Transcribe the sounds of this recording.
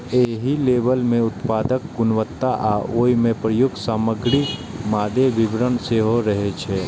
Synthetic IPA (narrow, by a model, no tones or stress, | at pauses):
eːɦileːbəlmẽʊt̪paːd̪ək̚ɡʊnʋət̪ːaʔaːʔoːimẽpɾəjʊɡsaːməɡɾimaːd̪eʋɪbɾənseɦoɾəɦet͡ʃʰɛː